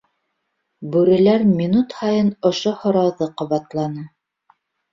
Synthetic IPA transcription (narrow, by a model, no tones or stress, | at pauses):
bʉɾɘ̆læɾmʲinut̪hɑjɤnŏʃohŏɾɑwðɤqŏβɑt̪lˠɑnɤ